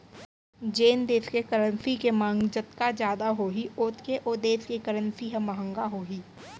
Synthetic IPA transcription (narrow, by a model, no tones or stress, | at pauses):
d͡ʒeːnd̪eːskekəɾənsikemãːŋɡd͡ʒət̪kad͡ʒjaːd̪aɦoːɦiʊːt̪keʔod̪eːskekəɾə̃nsiɦɛ̃məɦə̃ŋɡaɦoːɦiː